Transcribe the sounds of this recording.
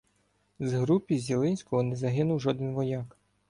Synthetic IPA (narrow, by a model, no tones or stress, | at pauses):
zɦɾupʲizʲilˠɪnʲsʲkɔɦɔnɛzɐɦɪnʊwʒɔd̪ɪnʋɔjɑk